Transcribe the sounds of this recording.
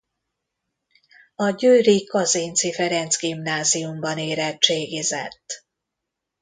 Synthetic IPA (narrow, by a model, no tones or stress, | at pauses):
ɒɟøːɾikɒzeːnt̪sifɛɾɛnt̪zɡimnaːzijumbɒneːɾɛt͡ʃeːɡizɛ̰t̪ː